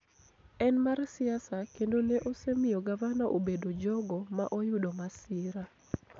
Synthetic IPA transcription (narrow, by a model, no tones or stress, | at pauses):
ɛnmarsɪasakendoneʔosemɪjɔɡavanaʔobedod͡ʒɔɡɔmaʔojʊdomasɪɾa